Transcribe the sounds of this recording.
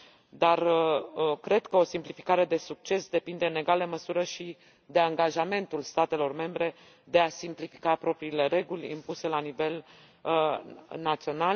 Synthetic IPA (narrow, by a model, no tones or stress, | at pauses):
d̪ar | kɾe̞d̪kəo̞simplifi̥kaɾe̞d̪e̞suk̚t͡ʃe̞sd̪e̞pind̪e̞ɨne̞ɡaləməsuɾəʃi | d̪e̞aŋɡaʒame̞nt̪ulst̪at̪e̞lo̞rme̞mbɾe̞ | d̪e̞asimplifikapɾo̞pɾiːle̞ɾe̞ɡulʲḭmpuse̞lanive̞l | nat̪sio̞nal